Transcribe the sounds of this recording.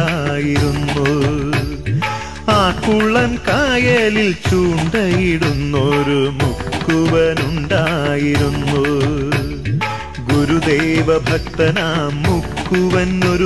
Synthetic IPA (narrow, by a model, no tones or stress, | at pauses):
ajiɾunːu | aːkːuɭːɐnkaːjeːlilt͡ɕuːɳɖɐjiɽunːoɾumukːuʋɐnuɳɖaːjiɾunːu | ɡuɾud̪ejʋɐbʱɐk̚t̪ɐnaːmukːuʋɐnːoɾu